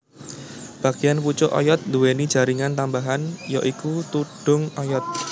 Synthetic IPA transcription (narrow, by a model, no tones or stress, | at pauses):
b̥ä̤ɡ̥ijanput͡ʃʊʔɔ̰jɔt̪̚nd̪uwenid̥ʒ̥a̤ɾiŋant̪ambaɦanjɔʔikut̪uɖ̥ʊ̤ŋɔjɔt̪̚